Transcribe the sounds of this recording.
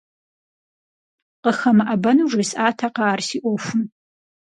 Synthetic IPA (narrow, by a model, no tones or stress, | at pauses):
qəxɐmɨʔɐbɐnuːʐɐsaːtʰaqɑːrsiːʔʷofʷʊn